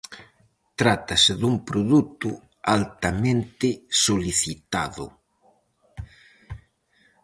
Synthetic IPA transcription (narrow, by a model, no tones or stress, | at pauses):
t̪ɾat̪ɐsɪðumpɾoðut̪ʊ | alt̪amẽnt̪ɪsoliθit̪aðʊ̰